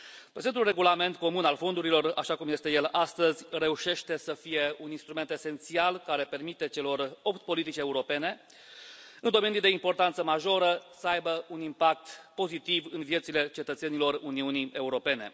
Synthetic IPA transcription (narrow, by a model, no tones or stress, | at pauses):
pɾezent̪ulre̞ɡulame̞nt̪̚ko̞munalfo̞nd̪uɾilo̞ra̰ʃakumje̞st̪eje̞last̪əzʲre̞uʃe̞ʃt̪e̞səfije̞uninst̪ɾument̪e̞se̞nt̪sialkaɾe̞pe̞rmit̪e̞t͡ʃe̞lo̞ro̞pt̪po̞lit̪it͡ʃe̞uɾo̞pe̞ne̞ | ɨnd̪o̞me̞nijd̪e̞impo̞rt̪ant̪səmaʒo̞ɾəsəajbəunimpak̚t̪po̞zit̪ivɨnvije̞t̪sile̞t͡ʃe̞t̪ət̪se̞nilo̞runiunie̞uɾo̞pe̞ne̞̰